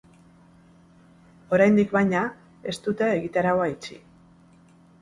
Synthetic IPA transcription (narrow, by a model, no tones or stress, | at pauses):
o̞ɾajnd̪ikβajɲa | e̞st̪ut̪eeɣit̪aɾaoajt͡ʃḭ